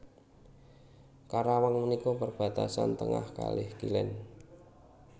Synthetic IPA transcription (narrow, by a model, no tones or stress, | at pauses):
kaɾawaŋmənikɔpərb̥ä̤t̪asant̪əŋa̰hka̰lɪhkilɛ̰n